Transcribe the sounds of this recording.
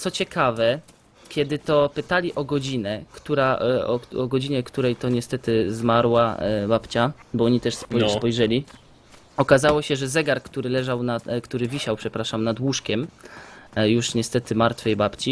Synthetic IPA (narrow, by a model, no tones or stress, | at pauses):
t̪sɔt͡ɕɛkavɛ | kʲjɛd̪ɘt̪ɔpɘt̪alʲiʔɔɡɔd͡ʑinɛkt̪uɾaɔɔɡɔd͡ʑiɲɛkt̪uɾɛjt̪ɔɲɛst̪ɛt̪ɘzmaɾwabapt͡ɕabɔɔɲit̪ɛʂspɔspɔjʐɛlʲi | ɔkazawɔɕɛʐɛzɛɡaɾkt̪uɾɘlɛʐawnakt̪uɾɘvʲiɕawpʂɛpɾaʂamnad̪wuʂkʲɛm | juʂɲɛst̪ɛt̪ɘmaɾt̪fɘjbapt͡ɕi